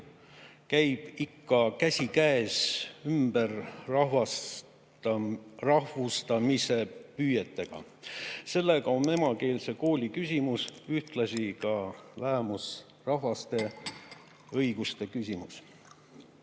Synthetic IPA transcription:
kæjb̥ikːɑkæsʲikæesymbervɑ | rɑɦvust̪ɑmise̞pyːjet̪ːe̞ɡ̥ɑ̰ | se̞lːe̞ɡ̥ɑome̞mɑke̞ːlse̞ko̞ːlʲikysʲimusyht̪lɑsikɑlæɦemus | rɑɦvɑst̪e̞ | ɤjɡ̥ust̪e̞kysʲimus

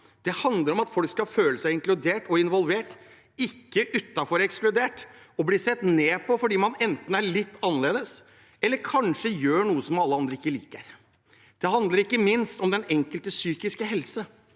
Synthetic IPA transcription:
d̪̥ɛhɑnd̪ləɾɔmɑt̪fɔlkskɑføːləsæɪɪŋklʉd̪eːʈɔɪnʋɔlʋeːʈ | ɪkːəʔʉt̪ːɑfɔɾɛksklʉd̪eːʈ | ɔbliːsɛt̪neːpʰɔfɔɖiːmɑnɛnt̪n̩æɭɪt̪ːɑnːəleːd̪əs | ɛlːəɾkʰɑnʂəjøːɳuːəsɔmɑlːəɑnd̪ɾəɪkːəlḭːkəɾ | d̪̥ɛɦɑnd̪ləɾɪkːəmɪnst̪ɔmd̪ɛnɛŋkəlt̪əsyːkɪskəɦɛlsə

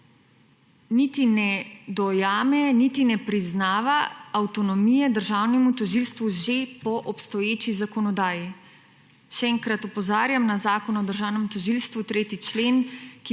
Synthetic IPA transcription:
nit̪inɛd̪ɔjaːmɛnit̪inɛpɾiznaːʋaawt̪ɔnɔmiːjɛd̪əɾʒawnɛmut̪ɔʒilst̪ʋuʒepɔʔɔpst̪ɔjeːt͡ʃizakɔnɔd̪aːji | ʃɛɛːŋkɾat̪ɔpɔzaːɾjamnazaːkɔnɔd̪əɾʒaːwnɛmt̪ɔʒiːlst̪ʋut̪ɾeːt̪it͡ʃleːnki

